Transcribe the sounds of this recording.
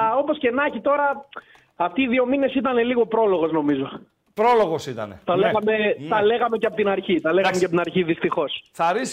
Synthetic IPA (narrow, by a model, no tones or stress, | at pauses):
o̞po̞sce̞nɐçit̪o̞ɾɐ | ɐft̪iːðio̞mine̞sit̪ɐne̞liɣo̞pɾo̞lo̞ɣo̞zno̞mizo̞ | pɾoloɣosit̪ɐ̰nḛt̪ɐleɣɐme̞t̪ɐleɣɐme̞ceɐpot̪inɐɾçit̪ɐle̞ɣɐmeceɐpot̪inɐɾçiðist̪ixo̞sθɐɾis